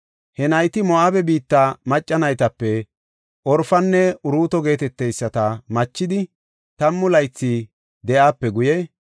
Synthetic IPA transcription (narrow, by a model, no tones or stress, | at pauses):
hɛnɐjt̪ɪmɔʔaːbɛbiːt̪ːamɐt͡ʃʼːɐnɐjt̪ɐpːɛ | ʔɔɾfɐnːɛʊɾuːt̪ɔɡe̞ːt̪ɛt̪ːɛjsːɐt̪ɐmɐt͡ʃːɪd̪ɪ | t̪ɐmːʊlɐjt͡sːi | d̪ɛʔaːpːɛɡʊjɛ